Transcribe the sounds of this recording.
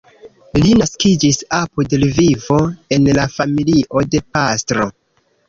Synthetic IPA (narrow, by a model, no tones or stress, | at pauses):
linaskid͡ʒisapudelvivo̞e̞nlafamiliʔo̞de̞pastɾo̞